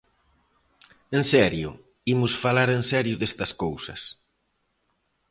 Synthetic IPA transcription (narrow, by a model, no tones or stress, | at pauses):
ensɛɾjʊ̰ | imʊsfalaɾensɛɾjʊðest̪ɐskowsɐs